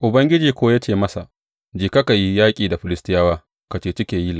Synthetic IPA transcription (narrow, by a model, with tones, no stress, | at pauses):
ʔʊ˨bɐ˦ŋɡʲɪ˦d͡ʒiː˨kʷoː˦jaː˦t͡ʃeː˦˨mɐ˦sa˨ | d͡ʒiː˨kɐ˦ka˨ji˦jaː˦kʲʼiː˨da˨ɸɪ˨lɪ˦stɪ˦jaː˦waː˦ | ka˨t͡ʃeː˦tɪ˦kʲeː˨ji˦l